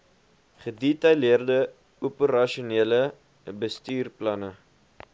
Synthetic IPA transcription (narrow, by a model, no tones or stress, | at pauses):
χədetɐjliərdə | upəɾɐʃuniələ | bəstyːrplɐnə